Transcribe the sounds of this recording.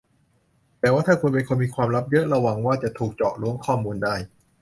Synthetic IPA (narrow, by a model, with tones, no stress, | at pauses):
t̪ɛː˨˩waː˥˩t̪ʰaː˥˩kʰu˧npe˧nkʰo˧nmiː˧kʰwaː˧mɾa˦˥p̚jɤ˦˥ʔɾa˧wa˨˩ŋwaː˥˩t͡ɕa˨˩t̪ʰuː˨˩k̚t͡ɕɔː˨˩ʔɾu˦˥əŋkʰɔː˥˩muː˧ndaː˥˩j